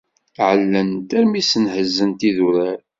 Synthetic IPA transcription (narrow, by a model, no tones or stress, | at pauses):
ʕəlːənt̪æɾmisənhəzːənt̪iðuɾæɾ